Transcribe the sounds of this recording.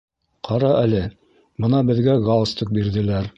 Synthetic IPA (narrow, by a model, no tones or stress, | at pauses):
qʰɑɾɑælɘ | bɤ̆nɑbɘ̆ðɡæɡɑlˠst̪ɤk̚biɾðɘ̆læɾ